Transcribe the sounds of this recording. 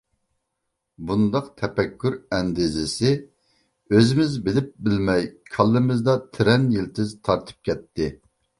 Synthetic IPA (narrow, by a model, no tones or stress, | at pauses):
bund̪ɑqt̪ʰɛpɛkʲʰːyɾɛnd̪ɪzɪsɪ | øzɪmɪzbɪlɪp̚bɪlmɛjkʰɑlˠːɨmɪzd̪ɑt̪ʰɪɾɛnjilt̪ʰɪzt̪ʰɑɾt̪ʰɨ̥p̚kʲɛt̪ʰːɪ